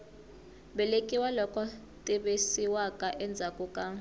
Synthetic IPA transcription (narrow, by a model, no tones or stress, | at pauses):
ɓɛlekʼiwalɔkɔ | tʼɛɓesiwakʼaʔɛnd͡zʱakʼukʼa